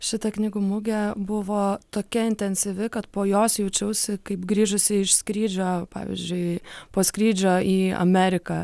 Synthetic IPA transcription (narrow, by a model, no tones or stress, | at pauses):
ʃʲɪt̪ɐknʲɪɡʊmʊɡʲɛbʊʋoːt̪oːkʲɛɪnʲt̪ʲɛnʲsʲiʋʲɪkɐt̪poːjoːsjɛʊt͡ʃʲɛʊsʲɪkɐɪpɡɾʲiːʒʊsʲɪɪʃskɾʲiːd͡ʒʲoːpɑ̰ːʋʲɪ̰zʲd͡ʒʲʊɪpoːskɾʲiːd͡ʒʲoːiːɐ̰mʲæɾʲɪkɑ